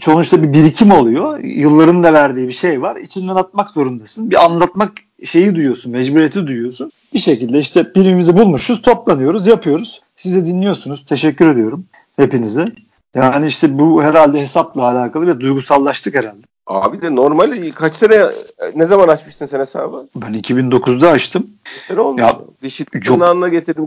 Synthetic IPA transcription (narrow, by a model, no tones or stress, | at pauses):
t͡ʃʰo̞nˠut͡ʃt̪ʰabibiɾicʰimo̞lˠujo̞jɯlˠːaɾɯnd̪avæɾd̪iːibiʃe̞jvaɾḭt͡ʃʰind̪anat̪̚makzo̞ɾund̪asɯnbiʔanlˠat̪mak | ʃe̞jid̪ujujo̞sunmɛd͡ʒbuɾijet̪ʰid̪ujujo̞sun | b̥iʃecilʲd̪ɛiʃt̪ʰɛb̥iɾimimizibulˠmuʃuz̥t̪ʰo̞plˠanɯjo̞ɾuzjapʰɯjo̞ɾuz̥ | sizɛd̪inlːʲijo̞sunuz̥t̪ʰe̞ʃɛcːyɾe̞d̪ijo̞ɾum | he̞pinizɛ | jaːniiʃt̪ʰɛbuɦeɾalʲd̪ɛɦe̞saplˠaːlʲaːkʰalˠɯvɛd̪ujɡusalˠːaʃt̪ʰɯkheɾalʲd̪ɛa̰ːbid̪ɛno̞ɾmalʲkʰat͡ʃsenɛnɛzamanat͡ʃmɯʃsɯnsenɛsa̰ːbɯbænicʰibind̪o̞kʰuzd̪aːt͡ʃt̪ʰɯm | ɛɾolmjad̪iʃid͡ʒnaːnɯnaɟet̪ʰiɾd̪im